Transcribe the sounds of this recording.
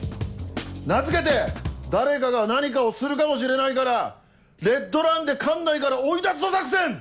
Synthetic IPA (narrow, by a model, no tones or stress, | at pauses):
nat͡sɨke̞t̪̬e̞d̪aɾe̞kaɡanaɲ̟ik̬ao̞sɨɾɯ̟kamo̞ɕ̬iɾe̞naikaɾa | ɾe̞t̪ːo̞ɾãnd̪e̞kʰãnːaikaɾaoid̪at͡sɨ̥t̪o̞sakɯ̟sẽ̞ɴ